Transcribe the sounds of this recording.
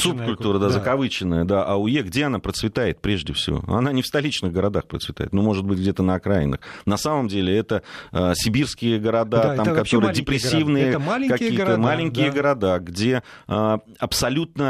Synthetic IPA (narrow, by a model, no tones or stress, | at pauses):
sup̚kʊlʲt̪uɾəd̪azəkɐvɨt͡ɕɪnːəjəd̪aʔɐʊjeɡdʲe̞ɐnapɾət̪svʲɪt̪ajɪt̪̚pɾʲe̞ʐdʲɪfsʲɪ̰vo̞̰ɐ̰nanʲɪfst̪ɐlʲit͡ɕnɨɣɡəɾɐd̪axpɾətsvʲɪt̪a̰jɪt̪nomo̞ʐɨt̪̚bɨt̚ʲɡdʲe̞t̪ənəɐkɾajɪnːɨ̰xnɐsaməmdʲelʲɪɛt̪əəsʲɪbʲirskʲɪjəɡəɾɐd̪at̪amkɐt̪oɾɨjdʲɪpɾʲɪsʲːivnɨjəkɐiːət̪əmalʲɪŋʲkʲɪjəɡəɾɐd̪aɡdʲe̞ə | ɐpsɐlʲut̪̚nə